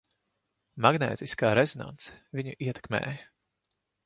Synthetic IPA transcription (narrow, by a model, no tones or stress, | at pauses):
maɡnɛ̰ːt̪iskaːɾezɔna̰nt̪sɛ̥vʲiɲuʔiɛt̪ɛ̥kmɛ̰ːj